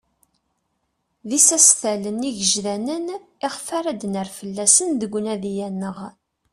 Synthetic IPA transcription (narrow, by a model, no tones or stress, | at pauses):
ðisæsθæləniʝəʒðænənɪχfaɾæd̪nəɾfəlːæsənd̪əɡʷːnæðijænːəʁ